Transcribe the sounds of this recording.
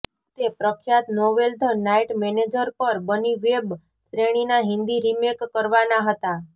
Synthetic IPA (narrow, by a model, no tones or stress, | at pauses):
t̪epɾəkʰjat̪noʋeld̪ʱnaiʈmɛned͡ʒəɾpəɾbəniʋeb | sɾeɽ̃inaɦɪnd̪iɾimekːəɾʋanaɦət̪a